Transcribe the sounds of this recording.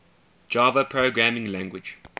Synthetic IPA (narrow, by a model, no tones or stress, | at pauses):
d͡ʒɑːvəpʰɹoːɡɹæmɪ̃ŋlæ̃ŋɡwɪd͡ʒ